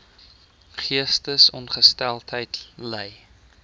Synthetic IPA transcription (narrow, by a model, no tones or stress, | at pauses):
χiəstəsɔnχəstælˠtɦəjtləj